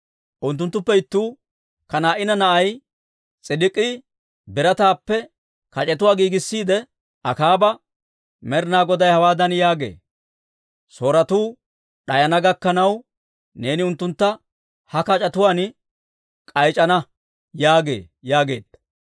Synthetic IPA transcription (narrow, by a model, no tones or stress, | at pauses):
ʔʊnt̪ːʊnt̪ːʊpːɛɪt̪ːuː | kɐnaːʔɪnɐnɐʔɐj | t͡sʼɪdɪkʼːi | bɪɾɐt̪aːpːɛ | kɐt͡ʃʼɛt̪ʊwaːɡiːɡɪsːiːd̪ɛ | ʔɐkaːbɐ | mɛɾnaːɡɔd̪ɐjhɐwaːd̪ɐnjaːɡe̞̰ː | so̞ːɾɐt̪uː | ɗɐjɐnɐɡɐkːɐnɐw | ne̞ːnɪʊnt̪ːʊnt̪ːɐ | hɐkɐt͡ʃʼɐt̪ʊwaːn | kʼɐjt͡ʃʼɐnɐ | jaːɡe̞̰ː | jaːɡe̞ːd̪̥ɐ